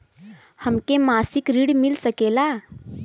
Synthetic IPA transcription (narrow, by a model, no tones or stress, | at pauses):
həmkemasikɾiɽmilsəkela